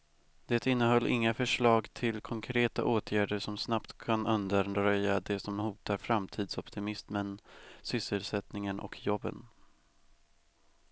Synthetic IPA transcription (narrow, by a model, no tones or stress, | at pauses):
d̪̥ɛːt̪ɪnːəɦœlːʔɪŋːafœʂɭɑːɡt̪ʰɪlkʰɔŋkʰɾeːt̪a̰ʔoːt̪ʰjæːɖəʂɔmsnapt̪kʰanɵnd̪əɾɾœjːad̪ɛsɔmhuːt̪aɾfɾamt̪ʰiːd̪sɔpt̪ʰɪmɪsmənsʏsːəlsɛt̪nɪŋənʔɔ̰kʰjɔbːə̰n